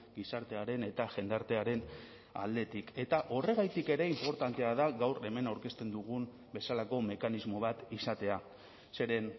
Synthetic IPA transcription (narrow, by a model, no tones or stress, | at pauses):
ɡisaɾt̪e̞aɾe̞ne̞t̪aʝe̞nd̪aɾt̪e̞aɾe̞n | a̰ld̪e̞t̪ike̞t̪aʔo̞re̞ɣajt̪ike̞ɾe̞impo̞ɾt̪ant̪e̞aðaɣawɾe̞me̞nawɾke̞st̪e̞nd̪uɣ̞um | be̞salako̞me̞kanizmo̞βat̪isat̪e̞a | se̞ɾe̞n